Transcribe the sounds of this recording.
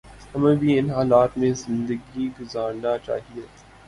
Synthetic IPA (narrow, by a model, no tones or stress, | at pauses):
hɐmẽbʱiɪnɦaːlaːt̪mẽzɪ̃nd̪əɡiɡʊzaːɾnat͡ʃa̰ːɦieː